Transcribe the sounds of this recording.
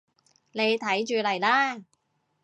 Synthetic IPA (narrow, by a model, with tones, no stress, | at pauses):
ne˨˧jt̪ʰɐ˨˥jt͡ʃyː˨˧lɐ˨˩jlaː˥